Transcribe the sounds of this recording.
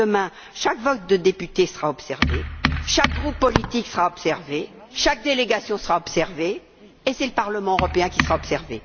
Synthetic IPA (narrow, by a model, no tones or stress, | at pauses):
əmɛ̃ | ʃakvɔt̪̚d̪əd̪epyt̪esəʁaɔpsɛʁvḛʃak̚ɡʁupːɔlit̪iksəʁaɔpsɛʁve | ʃak̚d̪eleɡasjɔ̃səʁaɔpsɛʁveː | sɛləpaʁləmɑ̃øʁɔpeɛ̃kʲisəʁaɔpsɛʁvḛ